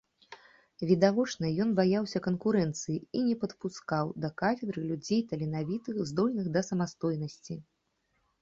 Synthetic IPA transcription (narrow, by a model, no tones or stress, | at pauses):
vʲid̪avɔt͡ʂnɐjɔnbajawsʲɐkɐnkuɾɛnt̪sɨjiinʲɛpɐt̪puskawd̪ɐkafʲɛd̪ɾɨlʲud͡zʲejt̪ɐlʲinavʲit̪ɨxzd̪ɔlʲnɨxd̪ɐsɐmast̪ɔjnɐsʲt͡sʲi